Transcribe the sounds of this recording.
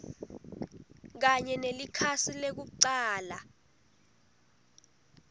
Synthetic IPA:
k̬aɲɛnelikʰasilek̬uǀaːla

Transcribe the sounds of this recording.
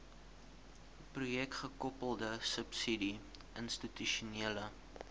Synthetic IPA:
prujɛkχəkɔpəlˠdəsəpsidi | ʔənstityʃuniələ

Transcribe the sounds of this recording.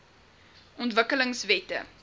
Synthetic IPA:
ʔɔntvəkələŋsvɛtə̰

